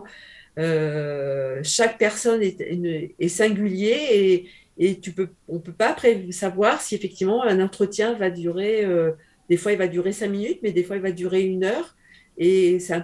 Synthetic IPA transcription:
ø | ʃak̚pɛʁsɔnɛynɛsɛ̃ɡʲyljeː | t̪ypøɔ̃pøpapχevsavwaʁsiefɛk̚t̪ivmɑ̃ɛ̃nɑ̃t̪χət̪jɛ̃vad̪yʁeø | d̪̥efwailvad̪yʁesɛ̃minyt̪mɛd̪efwailvad̪yʁeynœːʁ | esɛɛ̃

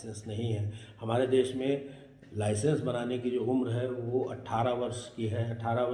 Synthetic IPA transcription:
sə̃nsnɐɦĩɦɛːhɐmaːɾed̪eːʃmẽ | laːɪsə̃nsbɐnaːnekid͡ʒoːʊmɾɦɛʋoʔɐ̰ʈʰːaːɾaʋɐɾʃkiɦɛɐʈʰːaːɾaʋ

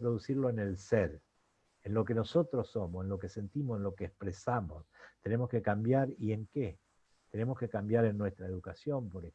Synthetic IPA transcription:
pɾoðusiɾlo̞enelseɾ | enlo̞ke̞no̞so̞t̪ɾosːo̞mosenlo̞kese̞nt̪imosenlo̞keːspɾesamost̪enemoskekambjaɾie̞ŋke | t̪ene̞mo̞ske̞kambjaɾe̞nːwe̞st̪ɾaeðukasjo̞mpo̞ɾe

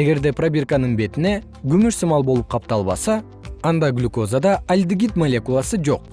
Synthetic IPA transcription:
e̞ɡe̞ɾd̪e̞prabʲirkanɯɴbe̞t̪ine̞ | ɡymyʃsɨmɑlˠbo̞lˠup̚qʰɑp̚t̪ɑlˠβɑ̰sɑː | nd̪ɑɡlʲyko̞zad̪ɑʔalʲd̪iɡʲit̪molʲe̞kulˠɑsɯd͡ʒo̞̰q̚

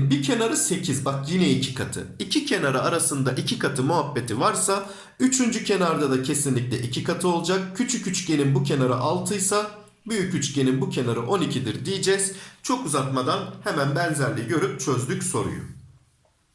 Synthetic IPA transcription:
bicʰe̞naɾɯse̞cʰizbakjinɛicʰi̥kʰat̪ʰɯ̰icʰicʰe̞naɾaaɾasɯnd̪aʔicʰikʰat̪ʰɯmuɦabːe̞t̪ʰivaɾsa | yt͡ʃʰynd͡ʒycʰe̞naɾd̪ad̪acʰe̞sinlʲicʲlʲɛʔicʰikʰat̪ʰɯo̞lˠd͡ʒak̚cʰyt͡ʃʰycyt͡ʃɟe̞nimbucʰe̞naɾa̰ʔalˠt̪ʰɯjsa | byjycyt͡ʃɟe̞nimbucʰe̞naɾɯʔo̞nicʰid̪iɾd̪ijid͡ʒɛz̥t͡ʃʰo̞kuzaɾt̪mad̪anhemænbɛnzæɾlʲiɟø̞ɾyp̚t͡ʃʰø̞zd̪ycso̞ɾṵjʊ̰

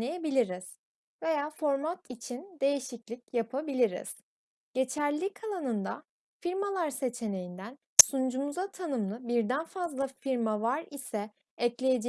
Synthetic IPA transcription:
ejebilʲiɾiz̥ | ve̞jaːfo̞ɾmat̪it͡ʃʰind̪e̞jiʃiclʲicjapʰabilʲiɾḭz̥ | ɟ̥e̞t͡ʃʰæɾlʲikʰalˠanɯnd̪a̰ | fiɾmalˠaɾse̞t͡ʃʰe̞ne̞jind̪æn | sund͡ʒumuzat̪ʰanɯmlˠɯbiɾd̪ænfazlˠafiɾmavaɾisɛ | ɛclʲe̞jed͡ʒe

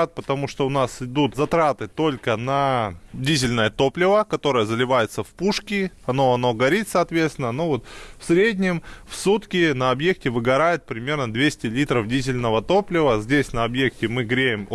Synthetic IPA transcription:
t̪̚pət̪ɐmuʂt̪oʊnasɪd̪ut̪zɐt̪ɾat̪ɨt̪o̞lʲkənɐdʲizʲɪlʲnəjət̪o̞plʲɪvəkɐt̪o̞ɾəjəzəlʲɪvajɪt̪səfpuʂkʲɪɐnoɐno̞ɡɐɾʲit̪ʲsɐɐt̪vʲest̪ʲɪnənovo̞t̪fsʲɾʲedʲnʲɪmfsut̪kʲɪnɐɐbje̞k̚tʲɪvɨɡɐɾajɪt̪̚pɾʲɪmʲe̞rnəd̪vʲesʲtʲɪlʲit̪ɾəfdʲizʲɪlʲnəvət̪o̞plʲɪvəzʲdʲesʲnəɐbjek̚tʲɪmɨɡɾʲejɪm

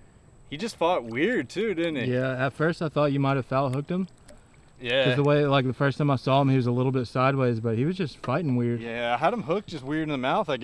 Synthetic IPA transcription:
hid͡ʒʌstfɔt̚wɪɹd̚tʰʉdɪdⁿn̩ijæɨtfɜ˞staɪθɔt͡ʃɨmaɪɾ̚ɨv̥fɛʊt̚ɦʊk̚t̚hə̃m | jækʌðəweɪlaɪk̚ðɨfɜ˞stʰãɪ̃maɪsɔə̃miwʌzəlɪɾl̩ˠbɪtsaɪd̚weɪzbʌt̚hiwʌzd͡ʒʌstfaɪɾɪ̃ŋwɪɹd̥̚æaɪəɾə̃mɦʊk̚d̥ʒ̥ʌst̚wɪɹɾn̩ðɨmaʊθaɪ

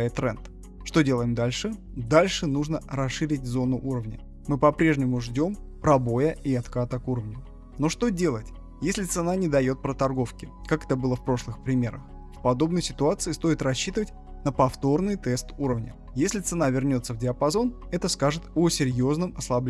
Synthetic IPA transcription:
ɪt̪ːɾɛ̰nt̪ | ʂt̪o̞dʲe̞lˠəjɪmd̪alʲʂɨ | d̪alʲʂɨnuʐnəɾɐsʂːɨɾʲɪt̚ʲzo̞nʊʔuɾəvnʲə̰ | mɨpɐpɾʲe̞ʐnʲɪmʊʐdʲo̞mpɾɐbo̞jəʔiɐt̪kat̪əkuɾəvnʲʊ | no̞ʂt̪o̞dʲe̞lˠətʲ | jesʲlʲɪt̪sɨnanʲɪd̪ɐjo̞t̪̚pɾət̪ɐrɡo̞fkʲɪkakɛ̥t̪əbɨlˠəfpɾo̞ʂlˠɨxpɾʲɪmʲe̞ɾəx | fpɐd̪o̞bnəjsʲɪt̪ʊat̪sɨɪst̪o̞ɪt̪rɐɕːit̪ɨvətʲ | nəpɐft̪o̞rnɨjt̪ɛst̪uɾəvnʲə̰ | jesʲlʲɪt̪sɨnavʲɪrnʲo̞t̪səvdʲɪəpɐzo̞n | ɛt̪əskaʐɨt̪osʲɪɾʲjo̞znɨmɐslˠɐblʲ

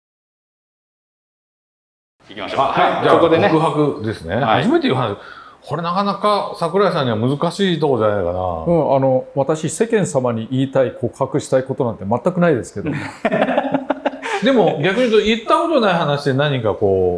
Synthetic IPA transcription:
ahaɡʲakɯɦakɯ̟d̪e̞sɨne̞haʑime̞t̪e̞iɯ̟ɦanaɕikʰo̞ɾe̞nakanakasakɯ̟ɾais̬ãɲ̟ːiβamɯ̟zɨkaɕiːt̪o̞ko̞d͡ʑanaikana̰ɯ̟̃ano̞βat̪aɕise̞kẽ̞ɰ̃samaɲ̟iʔiːt̪aikʰo̞ːkʰakɯ̟ɕi̥t̪aiko̞t̪o̞nãnt̪emat̪ːakɯ̟naid̪e̞sɨ̥ke̞d̪o̞ | d̪e̞mo̞ɡʲakɯ̟ɲ̟iɯt̪oit̪ːako̞t̪onaihanaɕid̪e̞nãɲ̟ĩŋkako̞ː

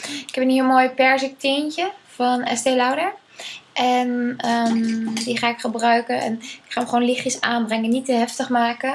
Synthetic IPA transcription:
ɪkhɛpəniəmoːjpɛɹsək̚tɪncəfɔnɛ̰steːlawdəɹ | ʔɛnədiχaːɪkχəbrœɥkəɛ̰nɪkχaːməχʋoːnlɪxjəsaːnbrɛŋənitəɦɛftəχmaːkə

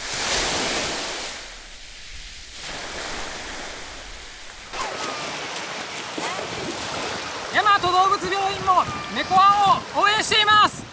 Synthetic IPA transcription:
jamat̪od̪oːbɯ̟t͡sɨbʲjo̞ːĩmːome̞koãɰ̃oːẽɰ̃ɕi̥t̪e̞imasɨ̥

